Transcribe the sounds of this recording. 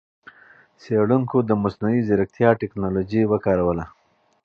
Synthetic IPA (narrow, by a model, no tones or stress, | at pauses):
seɽuŋkod̪əmasnuwizɪɾak̚t̪ʰjɑʈeknɑlod͡ʒiwəkɑɾawəla